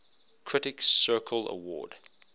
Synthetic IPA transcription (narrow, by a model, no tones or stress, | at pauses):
kʰɹ̥ɪtɪksɜːˑkʰələ̰wɔ̰ːd̥